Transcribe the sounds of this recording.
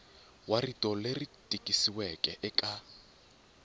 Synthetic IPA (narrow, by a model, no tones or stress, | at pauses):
waritʼɔleritʼikʼisiwɛkʼɛʔɛkʼa